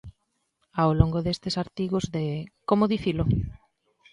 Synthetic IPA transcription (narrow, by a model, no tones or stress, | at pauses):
awloŋɡoðest̪esaɾt̪iɣozðekomoðiθilo